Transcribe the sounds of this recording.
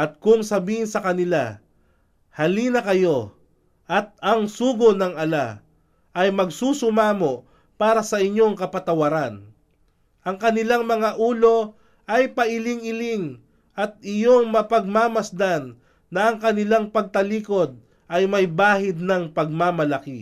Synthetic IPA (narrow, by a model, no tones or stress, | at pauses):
ʔɐt̪̚kʊŋsɐbiːhɪnsɐkɐnɪla | hɐlinɐkɐjo̞ | ʔɐt̪̚ɐŋsuːɡonɐŋɐla | ʔɐjmɐɡsusʊmaːmo̞ʔ | paːɾɐsɐʔɪɲːo̞ŋkɐpɐt̪ɐwɐɾan | ʔɐŋkɐnɪlaŋmɐŋaʔuːlo̞ | ʔɐjpɐʔɪlɪŋɪlɪŋ | ʔɐt̪̚ɪjoŋmɐpɐɡ̚maːmɐsd̪anː | ɐʔɐŋkɐnɪlaŋpɐɡ̚t̪ɐliːko̞d̪̚ | ʔɐjmɐjbaːhɪd̪̚nɐŋpɐɡ̚mamɐlɐki